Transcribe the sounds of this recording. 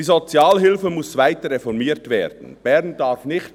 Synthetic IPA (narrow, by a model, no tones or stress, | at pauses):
iːzot͡sjaːlɦɪlfəmʊsvaɪtəɾʁɛfɔɾmiːtveːɾd̥n̩b̥ɛɾnd̥ɑɾfnɪçt